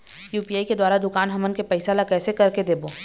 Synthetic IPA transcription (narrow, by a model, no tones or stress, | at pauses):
juːpiaːiked̪waːɾad̪ʊkaːnɦɐmənkepɐɪsalakɛːsekɐɾked̪eːboː